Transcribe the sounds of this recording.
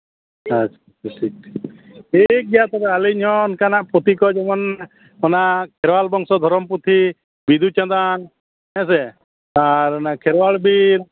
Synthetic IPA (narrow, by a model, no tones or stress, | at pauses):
at͡ʃʰḁ | sik̚ | ik̚ɡɛat̪ɔɾɛaliɲɦɔnkanaʔpɔt̪ikɔd͡ʒɔmɔn | ɔnaʔkʰɛɾwalbɔŋsɔd̪ʱɔɾɔmpɾut̪ʰi | bid̪ʱut͡ʃãd̪an | ɛs̬ɛ | aɾɔnakʰɛɾwaɭbiɾ